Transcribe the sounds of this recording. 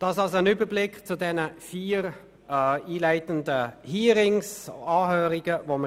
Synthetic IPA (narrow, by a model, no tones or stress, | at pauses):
d̥ɑsɑlsoənʏbəɾblɪkt͡sʊdɛnəfiːɾ | iːlaɪtəndəhiːɾɪŋsɑːhøːɾiɡəvomə